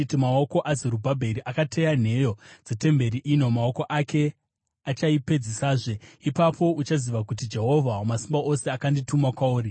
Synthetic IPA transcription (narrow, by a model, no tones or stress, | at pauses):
timaoko̞ʔazeɾubʱabʱeɾiʔakatʰe̞jan̤e̞jo̞d͡zete̞mbe̞ɾiʔino̞mao̞ko̞ʔakʰe̞ | at͡ʃaipe̞d͡zisaːʐe̞ipapo̞ut͡ʃaziʋakut̬id͡ʒe̞ɦo̞vʱawomasimbaose̞akanditumakwauːɾi